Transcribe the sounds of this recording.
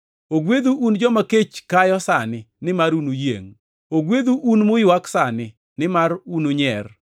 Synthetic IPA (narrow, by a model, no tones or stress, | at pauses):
oɡwed̪uʔund͡ʒɔmaket͡ʃkajɔsanɪnɪmaɾunujḛŋ | oɡwed̪uʔunmʊjɪwaksanɪ | nɪmarunoɲɛr